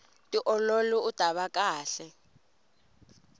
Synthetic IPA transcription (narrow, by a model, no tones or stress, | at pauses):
tʼiʔɔloluud̥ʱaɓakʼaːɬɛ